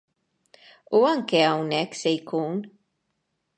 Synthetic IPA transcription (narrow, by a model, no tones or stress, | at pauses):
uɐŋkɛɐwnɛkːsɛjkuːn